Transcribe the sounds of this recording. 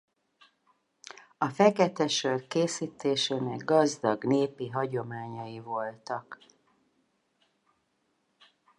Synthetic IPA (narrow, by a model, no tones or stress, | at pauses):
ɒfɛkɛt̪ɛʃørkeːsiːt̪eːʃeːnɛɡɡɒzd̪ɒɡneːpiɦɒɟo̞maːɲɒjivo̞lt̪ɒk